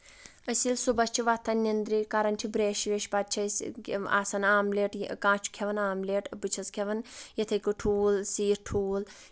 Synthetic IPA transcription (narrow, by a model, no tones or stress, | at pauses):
əsilsubɐst͡ʃʰiʋɐt̪ʰːɐnʲnːind̪ɾikɐɾɐnt͡ʃʰibɾeːʃʋeʃbɐt̪̚t͡ʃʰɐsʲa̰ːsɐnaːmleːʈkãːt͡ʃʰu̥kʲʰeʋɐnaːmleːʈbɨt͡ʃʰɐskʰeʋɐnjɐt̪ʰɐjkɨʈʰuːlsiːɾʈʰuːl